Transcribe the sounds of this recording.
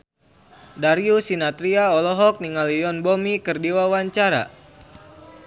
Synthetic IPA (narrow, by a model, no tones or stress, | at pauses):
daɾiusinat̪ɾiaɔlɔɦɔk̚niŋalijɔnbomikərdiwawaɲt͡ʃaɾa̰